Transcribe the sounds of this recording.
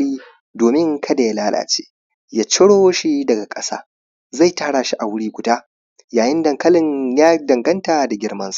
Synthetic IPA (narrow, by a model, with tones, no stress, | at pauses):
iː˦ | doː˨mɪ˦ŋkʰɐ˦da˨ja˦laː˦la̰ː˨t͡ʃḛː˦ | ja˦t͡ʃɪ˦ɽoː˦ʃi˦dɐ˨ɡa˨kʼɐ˦sa̰ː˦ | za˦˨jtaː˦ɽaː˨ʃi˦ʔa˨wʊ˦ɽiː˦ɡʷʊ˨daː˦ | jaː˨jɪ˦ndɐ˨ŋkɐ˦lɪ˨ɲjaː˦dɐ˨ŋɡɐ˦ntaː˨da˨ɡʲɪ˨ɽmɐ˦nsḁ˨